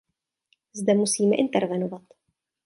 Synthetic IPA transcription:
zdɛmusiːmɛʔɪnt̪ɛɾvɛnovat̪

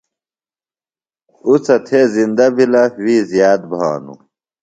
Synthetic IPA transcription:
ut͡sɐt̪ʰeːzind̪ɐbʱilɐwiːzjaːd̪̚bʱa̰ːnṵ

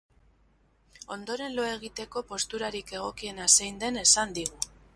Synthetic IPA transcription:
o̞nd̪o̞ɾe̞nlo̞e̞ɣ̞it̪e̞ko̞po̞st̪uɾaɾike̞ɣ̞o̞kie̞nasejnd̪e̞ne̞sand̪iɣu

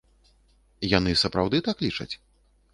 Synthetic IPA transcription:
janɨsɐpɾawd̪ɨt̪aklʲit͡ʂɐ̰t͡sʲ

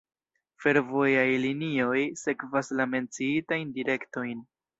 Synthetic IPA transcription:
fe̞ɾvo̞jajlinio̞jse̞kvaslame̞nt͡siitajndiɾe̞kto̞jn

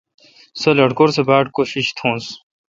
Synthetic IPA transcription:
sɐlɐʈkoɾsebaːʈ̚koɕiɕt̪ʰõːns

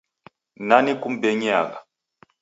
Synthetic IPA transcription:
nanikum̩beɲia̰ka

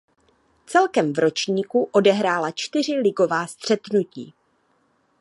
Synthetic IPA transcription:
t͡sɛlkɛmvɾo̞t͡ʃɲiːkuʔo̞dɛɦɾaːlat͡ʃt̪ɪr̝ɪlɪɡo̞vaːst̪r̝̥ɛt̪nucḭː

